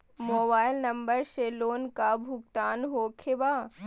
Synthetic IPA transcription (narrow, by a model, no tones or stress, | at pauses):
moːbaːɪlnɐmbəɾʃeloːnkabʱʊɡ̚t̪aːnɦoːkʰeʋaː